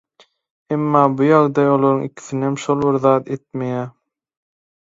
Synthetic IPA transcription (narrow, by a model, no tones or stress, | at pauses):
emːɑːbujɑʁd̪ɑjolˠoɾɯŋikʰi̥θinemʃolˠβiɾðɑːt̪ʰe̞t̪mejæ